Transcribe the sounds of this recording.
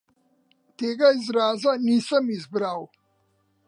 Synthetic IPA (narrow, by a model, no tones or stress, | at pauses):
t̪eːɡaizɾaːzanisəmizbɾaːw